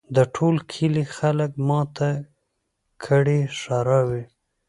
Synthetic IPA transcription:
d̪əʈʰolkʰilixaləkmɑt̪a | kʰəɽiʃɑɾɑwi

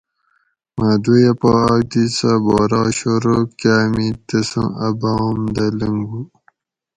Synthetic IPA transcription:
mad̪ujapaːd̪isaboːɾɑːɕoɾokaːmit̪əsṵ̃ʔɐbamd̪ɐləŋɡu

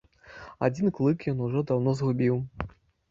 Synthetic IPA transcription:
a̰d͡zʲinklˠɨkjɔnuʐɔd̪awnɔzɣubʲiw

